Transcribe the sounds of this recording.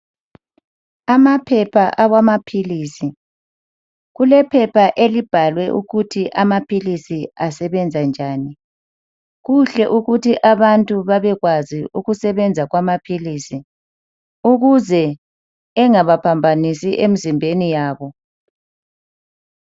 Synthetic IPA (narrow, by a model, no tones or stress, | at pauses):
amapʰɛpʰaʔaɣwamapʰiliːsi | ɣulɛpʰɛpʰaʔelib̥ʱalwɛʔuɣutʰiʔamapʰilisiasɛβɛnd͡zʱand͡ʒʱaːni | ɣuɬɛʔuɣutʰiʔaβantʼuβaβɛɣwaziuɣusɛβɛnd͡zʱaɣwamapʰilisi | uɣuzɛ | ɛŋaβapʰambʱanisiʔem̩zimbʱenijaːβɔ